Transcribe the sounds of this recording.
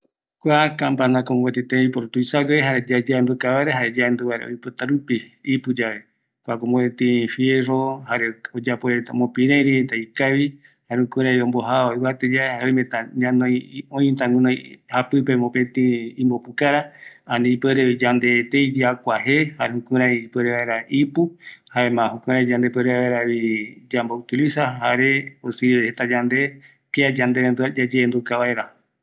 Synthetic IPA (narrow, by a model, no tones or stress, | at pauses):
kʷakãmpanãkombet̪it̪eipoɾot̪uisaɡeeɦaɾed͡ʒad͡ʒanb̪ukaβaɾeɦaɾed͡ʒand̪uβaɾḛo̰jpot̪aɾupiipɨd͡ʒaβe̞ | kʷakomoet̪ĩfjeɾohaɾeod͡ʒapoet̪a̰mõpĩɾẽɾiet̪aikaβi | haɾeukuɾejõmboɦaoiwat̪ed͡ʒaehaɾeõjmet̪aɲãnõj̃õĩt̪aŋũnõjhapɨpemõpẽt̪ĩĩmbopukaɾaanĩipeɾeid͡ʒand̪et̪ejd͡ʒakʷaɦehaeũkũɾãĩipeɾeβaeɾaʔipuhaemãɦõkʷũɾ̃ãĩd͡ʒãnd̪epeɾeβaeɾaβid͡ʒambout̪ilisaɦaɾeosihet̪ad͡ʒand̪e | piad͡ʒand̪eβend̪uad͡ʒad͡ʒẽːnd̪ukaβaeɾa